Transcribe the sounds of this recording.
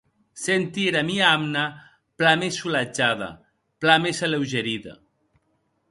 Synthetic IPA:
sent̪iɾamiaamna | plamesulad͡ʒaðɐ̰ | plamesalewʒeɾiðɐ̰

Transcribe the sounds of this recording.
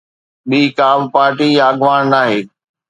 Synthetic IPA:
ɓiːkaːbpaːɾʈijaːɡʋaːnnaːɦeː

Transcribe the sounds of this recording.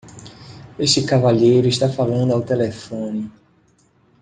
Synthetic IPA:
eʃt͡ʃ̪ɪkavaʎejɾʊist̪afalɐ̃nd̪ʊawt̪elefõnɪ

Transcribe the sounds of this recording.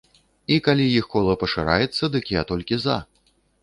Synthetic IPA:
ikalʲijixkɔlˠɐpɐʂɨɾa̰jɛt̪sːɐd̪ɨkʲiat̪ɔlʲkʲiza̰

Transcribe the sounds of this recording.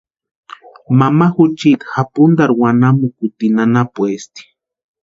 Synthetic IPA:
mamaxut͡ʃit̪xapʊnd̪aɾwanamukut̪inanapwest̪i̥

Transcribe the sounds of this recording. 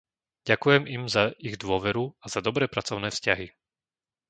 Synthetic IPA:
ɟakujɛmimzaiɣd̪ʋʊɔʋɛɾuazad̪ɔbɾɛːpɾat͡sɔʊnɛːfscaɦi

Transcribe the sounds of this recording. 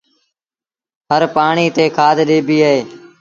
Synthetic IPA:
ɦəɾpaːɳiːt̪eːkʰaːd̪ʱɗeːbiːəeː

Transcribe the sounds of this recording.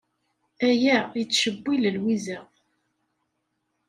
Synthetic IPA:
æjæit͡sːʃəbːiləlwizæ

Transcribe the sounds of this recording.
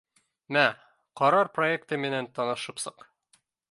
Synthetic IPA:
mæ | qɒɾɑɾpro̞ek̚t̪ɤmɘ̆nænt̪ɒnɤ̆ʃɤ̆psɤq

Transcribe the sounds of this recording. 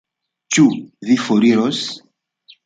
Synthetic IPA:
t͡ʃuðifoɾiɾos

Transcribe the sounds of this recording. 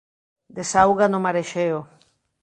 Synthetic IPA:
d̪esawɣanomaɾeʃeo

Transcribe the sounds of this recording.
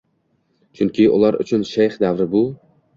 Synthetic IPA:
t͡ʃʰʊŋkʲʰɪʔʊ̰lˠaɾʊ̰t͡ʃʰʊnʃajχd̪avɾɪbʊ

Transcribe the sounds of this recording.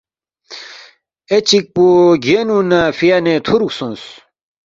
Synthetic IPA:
et͡ɕik̚puɡenunafijanet̪ʰuɾuksõns

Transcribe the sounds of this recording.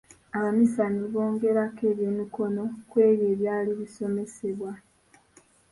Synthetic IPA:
aβamisaniβo̞ːŋɡe̞ɾakeːβjonuko̞no̞kwe̞ːβjeːβjaːliβiso̞me̞se̞βwa

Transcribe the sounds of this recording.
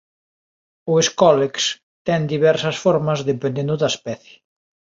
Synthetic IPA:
ʊeskɔleks | t̪ɛnd̪iβɛɾsɐsfɔɾmɐzðepẽnd̪ẽnd̪ʊðɐspɛθje̥

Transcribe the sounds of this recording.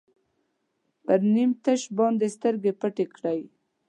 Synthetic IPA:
pəɾnimt̪aʃbɑnd̪est̪əɾɡepəʈekɽaj

